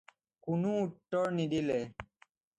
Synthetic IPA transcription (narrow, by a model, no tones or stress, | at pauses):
kunuːt̪ːɔɾnid̪ile